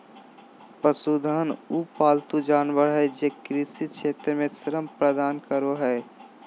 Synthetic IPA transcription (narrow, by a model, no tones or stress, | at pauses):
pəsuːd̪ʱaːnupaːlt̪ud͡ʒaːnʋəɾɦɛd͡ʒeːkɾɪsikt͡ʃʰeːt̪ɾəmẽsəɾəmpɾəd̪aːnkəɾoɦɛː